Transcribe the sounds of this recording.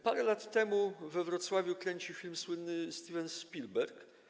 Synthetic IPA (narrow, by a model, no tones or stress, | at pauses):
paɾɛlat̪ːɛmuvɛvɾɔt̪swavʲjukɾɛɲt͡ɕifʲilmswɘnːɘsʲt̪ʲivɛnʃpʲilbɛɾk